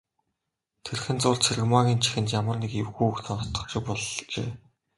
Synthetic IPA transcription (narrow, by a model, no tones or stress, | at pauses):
t̪ʰerxɘ̆nt͡sʊːɮt͡sʰiɾɘ̆ɣmaɣʲiːnt͡ɕʰi̥xɘ̆nt̪jamə̆rnekewxujukt̪ʰɘ̆nɔt̪ə̆χʃɪ̆k̚pɔɮt͡ɕḛː